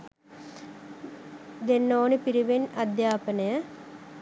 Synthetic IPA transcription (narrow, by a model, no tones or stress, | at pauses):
d̪enːoːnipiɾiʋenɐd̪jaːpənəjə